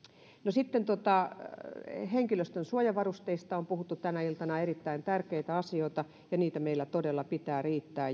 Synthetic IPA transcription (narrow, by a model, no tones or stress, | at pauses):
nosit̪ːent̪ot̪ɑ | heŋkiløst̪ønsuojɑʋɑrust̪eist̪ɑompuhut̪ːut̪ænæilt̪ɑnɑerit̪ːæint̪ærkeit̪æɑsioit̪ɑ | jɑniːt̪æmeilːæt̪odelːɑpit̪æːriːt̪ːæː